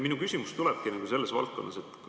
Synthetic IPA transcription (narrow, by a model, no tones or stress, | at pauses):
minukysʲimust̪ulɛb̥̚kinɑɡ̥use̞lːe̞svɑ̰lt̪̚ko̞nːɑse̞t̪ˑːk